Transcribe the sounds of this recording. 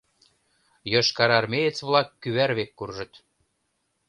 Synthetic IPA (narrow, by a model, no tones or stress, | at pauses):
jɤʃkɑɾɑrmejet͡sβlɑkːyβæɾβekːurʒɤ̆t̪